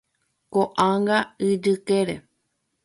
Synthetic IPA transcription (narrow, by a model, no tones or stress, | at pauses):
koʔaŋɡaɨd͡ʒɨkeɾe